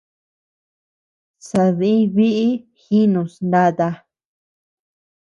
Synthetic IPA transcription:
sa˧ðĩ˦βi˦ʔi˦xi˦nũ˨snd̪a˧t̪a˧

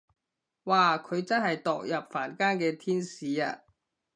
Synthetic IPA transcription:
waː˨kʰɵ˨˧ɥt͡sɐ˥nhɐ˨jt̪ɔː˨k̚jɐ˨p̚faː˨˩nkaː˥nkɛː˧t̪ʰiː˥nsiː˨˧a̰ː˧

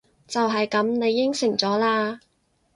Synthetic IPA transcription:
t͡sɐ˨wɦɐ˨jkɐ˨˥mne˨˧jːɪ˥ŋsɪ˨˩ŋt͡sɔː˨˥laː˧

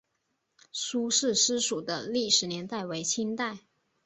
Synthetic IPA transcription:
ʂu˥ʂɻ̩˥˩ʂɻ̩˥ʂu˨˩d̪ə̰˦li˥˩ʂɻ̩˨˩njɛ˧˥nt̪a˥˩ɪwe˧˥ɪt͡ɕʰi˥nt̪a˥˩ɪ

